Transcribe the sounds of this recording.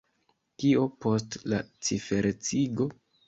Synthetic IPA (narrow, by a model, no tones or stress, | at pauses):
kiopo̞stla̰t͡sife̞ɾet͡siɡo̞